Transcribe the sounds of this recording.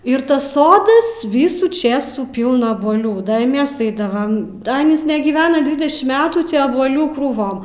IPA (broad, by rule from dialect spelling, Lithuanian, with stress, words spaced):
ɪr ˈtɐs ˈsoːdɐs ˈʋʲiːsuː ˈt͡ʃʲeːsuː ˈpʲiːlˠnɐ ɐbuɔˈlʲuː ˈdɐ ɪ ˈmʲɛs ˈɐɪdɐʋɐm ˈɑːnʲiːs nʲɛɡʲiːˈʋʲæːnɐ ˈdʲʋʲɪdʲɛʃʲɪm ˈmʲæːtuː ˈtʲiː ɐbuɔˈlʲuː kruːˈʋoːm